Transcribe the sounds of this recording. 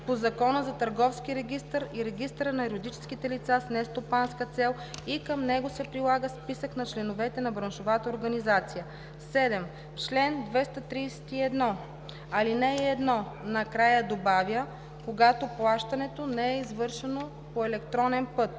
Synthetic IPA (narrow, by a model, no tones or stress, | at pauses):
pozɐkɔnəzɐt̪ɐɾɡɔfsk̟iɾɛɡ̟ʲist̪əɾiɾɛɡʲist̪əɾənɐɛɾod̪it͡ʃɛ̥skit̪ɛlit̪sasnɛst̪opanskət̪sɛlˠ | ikəmnɛɡosɛpɾilˠaɡəspisəknɐt͡ʃlɛnovɛt̪ɛnɐbɾɐnʃovat̪əoɾɡɐnizat̪sijə | sɛd̪ɛm | t͡ʃlɛnd̪vɛst̪ət̪ɾiːsɛ̥t̪iɛd̪nɔ | ɐlinɛiɛd̪nɔnɐkɾajəd̪obavʲjə | koɡat̪oplˠaʃt̪ɐnɛt̪onɛɛizvɤɾʃɛno | poɛlɛkt̪ɾɔnɛnpɤt̪̚